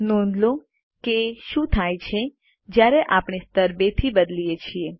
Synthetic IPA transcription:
nɔnlõ | keʃũt̪ʰajt͡ʃʰe | d͡ʒjaɾeʔapɳ̃ist̪əɾbet̪ʰibəd̪lijet͡ʃʰie

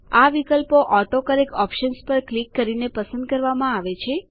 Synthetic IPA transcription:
aʋikəlpoʔɔʈ̪okəɾekɔpʃənspəɾklikːəɾinepəsə̃nd̪̚kəɾʋamãaʋet͡ʃʰe

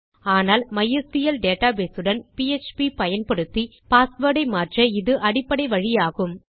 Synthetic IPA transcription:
aːnaːlmɐjɐst̪ɪjɐlɖeːʈaːbeːsɯɽɐnpiet͡ʃpipɐjɐnpɐɽɯt̪ːi | paːsʋɐɽɐɪmaːʈrɐɪðɯʔɐɽɪpːɐɽɐɪʋɐɻɪjaːɣɯm

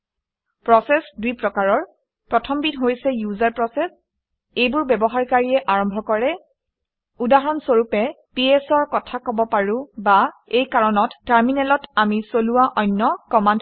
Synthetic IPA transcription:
pɹɔsɛsdujpɹɔkaɹɔɹ | pɹɔtʰɔmbitɦojsɛjuzaɹpɹɔsɛs | ejbʊɹbɛbɔɦaɹkaɹiɛʔaɹɔmbʱɔkɔɹɛ | udaɦɔnsoɹupɛ | piɛsɔɹkɔtʰakɔbɔpaɹʊ̃baejkaɹɔnɔtːaɹminɛlɔtamisoluwaʔɔjnːɔkɔmand

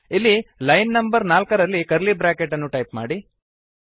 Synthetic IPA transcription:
ilːilɐjnːɐmbɐɾnaːlkɐɾɐlːikɐɾlibɾaːkeʈɐnːuʈɐjpma̰ːɽi

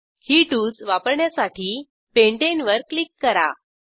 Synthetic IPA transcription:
hiʈuːt͡sʋapəɾɳjasaʈʰiː | peɳʈenʋəɾklikːəɾa̰

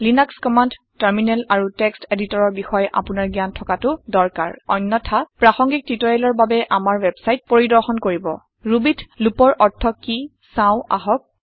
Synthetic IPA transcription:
linakskɔmand | taɹminɛlaɹuteksteditɔɹɔɹbixɔjʔa̰pʊnaɹɡijantʰɔkatʊdɔɹka̰ɹɔ̰jnːɔtʰapɹaxɔŋɡik̚titɔɹɛlɔɹbabɛʔamaɹwɛbsajt̚poɹidɔɹxɔnkoɹibɔ̰ | ɹubitlupɔɹʔɔɹtʰɔki | sãʊ̃a̰ɦɔk̚

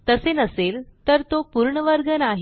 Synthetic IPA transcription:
t̪əsenəselt̪əɾt̪opuɾɳəʋəɾɡʱənaɦ

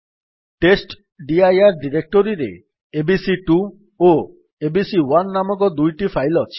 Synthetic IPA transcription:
ʈesʈ | ɖiajaɾɖiɾek̚ʈoɾiɾḛ | ebisiʈu | o | ebisiwanːamɔkɔd̪ujʈifʰajlɔt͡ʃʰi̥

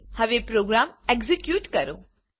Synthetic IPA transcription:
hɐʋepɾoːɡɾaːmeɡzikjuːʈkɐɾõː

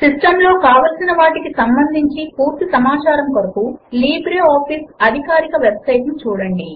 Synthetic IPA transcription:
siʂʈɐmlo̞ːkaːʋɐlsinɐʋaːʈikisɐmbɐnd̪ʱiɲt͡ʃipuːɾt̪isɐmaːt͡ʃaːɾɐmkoɾɐkuliːbɾeaːpʰiːsɐd̪ʱikaːɾikɐʋebsɐjʈnut͡ʃuːɽɐɳɖi

